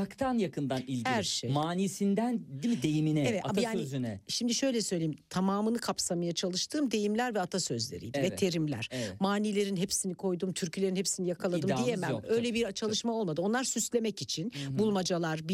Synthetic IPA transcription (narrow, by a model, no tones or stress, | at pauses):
akt̪ʰanjakʰɯnd̪anilʲhæɾʃejmaːniːsind̪ænd̪imid̪ejiminɛɛvɛt̪aajaːnizynɛʃimd̪iʃø̞jlʲɛsø̞jlʲeimt̪ʰamaːmɯnɯkʰapsamajat͡ʃʰalˠɯʃt̪ʰɯːmd̪e̞jimlʲæɾvɛat̪ʰasøzlʲeɾḭjd̪vɛt̪ʰe̞ɾimlʲæ̰ɾ̥maːniːlʲe̞ɾinɦepsinikʰo̞jd̪uːmt̪ʰyɾcʰylʲe̞ɾinhepsinijakʰalˠadd̪ɯmd̪ijemɛmø̞jlʲɛbiɾt͡ʃʰalˠɯʃmao̞lˠmad̪ɯonlˠaɾsyslʲe̞mɛcit͡ʃʰinbulˠmad͡ʒalˠaɾb